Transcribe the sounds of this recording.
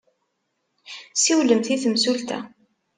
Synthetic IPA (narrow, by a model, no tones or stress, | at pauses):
siwləmθiθəmsult̪æ̰